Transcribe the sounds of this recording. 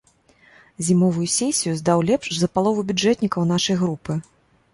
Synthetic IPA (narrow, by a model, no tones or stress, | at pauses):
zʲimɔvujusʲɛsʲijuzd̪awlʲɛpʂzɐpalˠɔvubʲud͡ʐɛt̪ʲnʲikɐwn̪aʂɐjɣɾupɨ